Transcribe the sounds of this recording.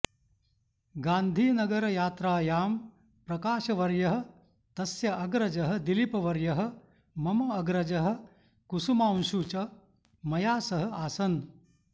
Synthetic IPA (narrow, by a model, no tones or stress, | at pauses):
ɡaːnd̪ʱiːnɐɡɐɾɐjaːt̪ɾaːjaːm | pɾɐkaːʃɐʋɐɾjɐɦɐ̆ | t̪ɐsjɐʔɐɡɾɐd͡ʒɐɦɐ̆d̪ilipɐʋɐɾjɐɦɐ̆ | mɐmɐːɡɾɐd͡ʒɐɦɐ̆ | kusumaːnʃuːt͡ʃɐ | mɐjaːsɐɦɐ̆aːsɐn